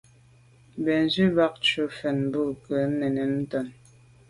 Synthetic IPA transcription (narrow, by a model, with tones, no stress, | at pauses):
bɛ˨n˨zʉ˦ba˦k̚t͡ʃu˨fɛ˨nbə˦˨kə˨˦nɛ˨ne˨nn̩˦tɔ˨n